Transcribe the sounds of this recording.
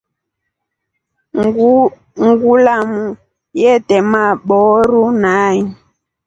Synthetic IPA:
ŋɡulamu | jɛtɛmaɓɔɾunaɲi

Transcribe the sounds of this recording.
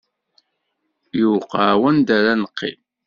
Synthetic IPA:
juwqawænd̪aɾanəqːḭm

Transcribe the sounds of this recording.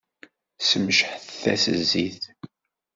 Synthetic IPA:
səmʃħθθæ̰səzːiθ

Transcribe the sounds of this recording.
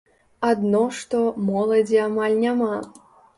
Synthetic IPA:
ad̪nɔʂt̪ɔmɔlˠɐd͡zʲiamalʲnʲama

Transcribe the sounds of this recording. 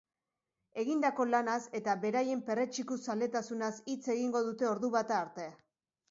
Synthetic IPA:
e̞ɣind̪ako̞lanase̞t̪aβe̞ɾaje̞mpe̞re̞t͡ʃikusale̞t̪asunasit͡se̞ɣiŋɡo̞ðut̪e̞o̞ɾðuβat̪aːɾt̪e̞a

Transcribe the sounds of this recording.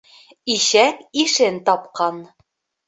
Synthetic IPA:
iɕækiʃent̪ɑp̚qɑn

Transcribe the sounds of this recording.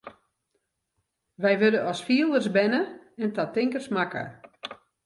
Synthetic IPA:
ʋɛjʋødəɔsfiəlˠdərsbɛnəɛntatɪŋkərsmakə̰

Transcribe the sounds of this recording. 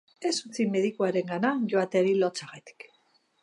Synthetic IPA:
e̞sut͡sime̞ðikuaɾe̞ŋɡanaʝoat̪e̞ɾilot͡saɣat̪i̥k

